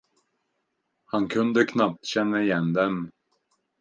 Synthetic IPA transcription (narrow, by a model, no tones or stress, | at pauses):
hankʰɵnd̪əkʰnap̚t̪ɕɛnːaɪjɛnd̪ɛm